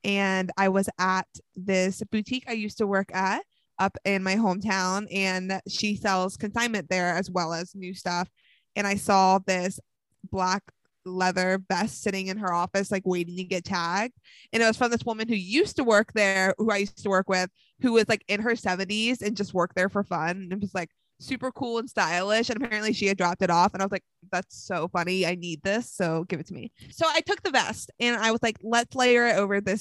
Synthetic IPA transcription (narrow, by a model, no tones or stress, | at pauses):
ʔɨ̃naɪwʌzət̪̚ðɪsb̥ʉtʰikaɪjʉstəwɜ˞kɨɾ | ʌpɪ̃nmaɪɦõʊ̃mtʰãʊ̃nʔɨ̃nʃisɛlˠz̥kʰɨ̃nsãɪ̃nmɨ̃nðə˞ɨzwɛlˠəznʉstʌf | ʔɨ̃ñaɪsɔðɪs | b̥læk | lɛðə˞bɛstsɪɾɪ̃ŋɨ̃nə˞ɔfɨslaɪkweɪɾɪ̃ŋtʰɨɡɛtʰæɡ̚d̥̚ | ʔɨ̃ñɨt̚wʌz̥fɹʌ̃nðɪswʊmɨ̃nhʉjʉstəwɜ˞k̚ðə˞huaɪjʉstəwɜ˞kwɪð̥ | hʉwʌz̥laɪkɨ̃nə˞sɛvɨ̃ntizɨ̃nd͡ʒʌst̚wɜ˞k̚ðə˞fə˞fʌ̃nnɨt̚wʌz̥laɪk̚ | sʉpə˞kʰulˠə̃nstaɪlˠɪʃɨ̃nɨpʰɛɹɨ̃nʔliʃiɨdɹɑp̚tɨɾɔfə̃naɪʌzlaɪk̚ðætsoʊfʌniaɪnid̪̚ðɪsoʊɡɪvɨtʰəmḭsoʊaɪtʰʊk̚ðɨbɛ̰stɨ̃naɪwʌzlaɪk̚lətsleɪɾə˞ɪɾoʊvə˞ðɪs